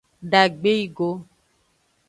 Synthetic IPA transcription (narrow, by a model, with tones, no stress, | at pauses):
ɖa˨ɡ͡be˦i˦ɡo˦